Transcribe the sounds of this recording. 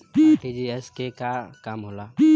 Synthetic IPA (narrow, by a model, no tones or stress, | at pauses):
ped͡ʒiɛskekakamɦola